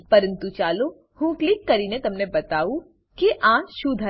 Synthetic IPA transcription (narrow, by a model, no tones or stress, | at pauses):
pɐɾə̃nt̪ut͡ʃaːlo | hũːklɪkːɐɾiːnet̪ɐmnebɐt̪aːu | kiʔãːʃuːd̪ʱə